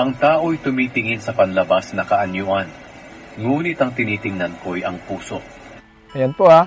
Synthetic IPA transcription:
ʔɐŋt̪aːʔo̞jt̪ʊmiːt̪ɪŋɪnsɐpɐnlɐbasnɐkɐʔɐnjʊʔɐn | ŋuːnɪt̪ɐŋt̪ɪniːt̪ɪŋnɐnko̞jɐŋpuːso̞ʔ | ɐjonpoa

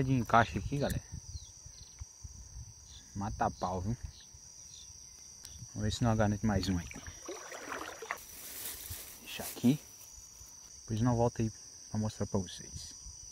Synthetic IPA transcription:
d͡ʒiẽkaʃɐakiɡalɛɾɐ | mat̪apawvĩw̃ | ɐ̃vesɪnɐ̃aɡanɐ̃t̪majzũɐki | eʃakʰi | pojznɐ̃w̃vɔwt̪ɐi | pɐmɔst̪ɾɐpɾɐvosḛs

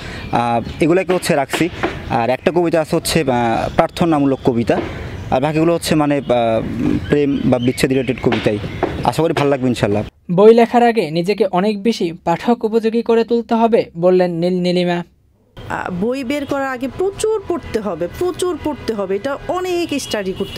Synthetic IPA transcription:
eɡulakeɦotːɕʰeɾakʰsʰia̰ɾɛk̚ʈakobit̪aaʃɦotːɕʰepɾaɾt̪ʰonːamulokːobit̪aa̰ɾbakiɡuloɦotːɕʰemane | pɾembabitːɕʰed̪ileʈeɖkobit̪aja̰ʃakoɾibʱalolaɡ̚beinʃalːa | bojlɛkʰaɾaɡenid͡ʑek̬eʔɔnek̚biʃipaʈʰokupod͡ʑoɡikoɾet̪ult̪eɦɔbebolːenːilnilima̰ | bojbeɾkɔɾaɾaɡepɾot͡ɕuɾpoɾt̪eɦɔbepɾot͡ɕuɾpoɾt̪eɦɔbeejʈaɔnekesʈaɖikoɾt̪e

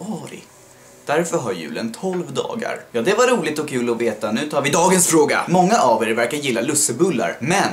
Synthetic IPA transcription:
ɑɾɪ̰ | d̪̥æɾfœɾɦaɾjʉ̟̰ːlə̰nt̪ʰɔlvd̪ɑ̰ːɡa̰ɾjɑːd̪ɛvaɾuːlɪt̪ɔkʰːʉ̟ːlɔveːt̪anʉ̟ːt̪ʰɑːɾvɪd̪ɑːɡənsfɾoːɡa̰mɔŋːaʔaveːɾvæɾkajɪlːalɵsəbɵlːa̰ɾmɛn

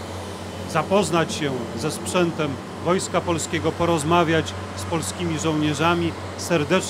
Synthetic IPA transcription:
zapɔznat͡ɕɕɛzɛspʂɛnt̪ɛm | vɔjskapɔlskʲɛɡɔpɔɾɔzmavʲjat͡ɕ | spɔlskʲimʲiʐɔ̃w̃ɲɛʐamʲi | sɛɾd̪ɛt͡ʂ

